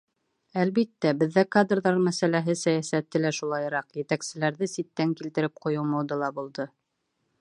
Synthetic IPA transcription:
ælβit̪ːæbɘ̆ðːækad̪rðɑɾmæsælæɦɘsæjæsæt̪ːɘlæʃulˠɑj̆ɾɑqjɘ̆t̪æksɘ̆læɾðɘsit̪ːæŋkilt̪ɘ̆ɾɘp̚qŏjɤ̆wmɑwd̪ɤlˠɑbulˠd̪ɤ

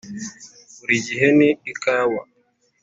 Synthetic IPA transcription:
uɾid͡ʒiɦeniːkaːwa

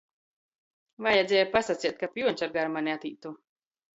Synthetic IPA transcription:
vajɛd̪zʲɛːjpasat̪sʲiɛt̪̚kapjuɔnʲt͡ʃaɾɡaɾmanʲeat̪iːt̪uː

